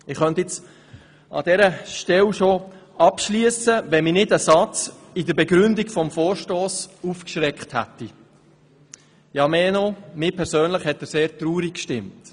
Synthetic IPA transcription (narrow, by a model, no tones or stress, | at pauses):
ɪχχœntɪt͡s | ɑ̰dɛɾəʃtɛlʃoɑpʃliəsəʋɛnminɪdəsɑt͡s | idəɾbɛɡɾʏndiɡfɔmfoːɾʃtoːsufkʃɾɛkχthæ̰tːi | jɑmeːnomɪːpʰɛɾsøːnləχhɛt̚dəseːɾtɾuːɾikkʃtɪmt